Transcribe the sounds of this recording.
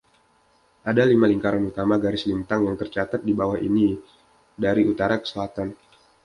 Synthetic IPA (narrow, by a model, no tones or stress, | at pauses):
ʔadalimaliŋkaɾanuk̪amaɡaɾɪslint̪aŋjaŋt̪ərt͡ʃat̪at̪̚dibawahḭni | daɾiut̪aɾakə̥səlat̪an